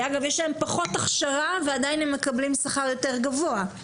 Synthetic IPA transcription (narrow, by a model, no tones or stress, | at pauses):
aɡavjeʃlaempaχo̞taχʃaʁavead̪ajnemːe̞kablimsaχaʁjo̞teʁɡavoa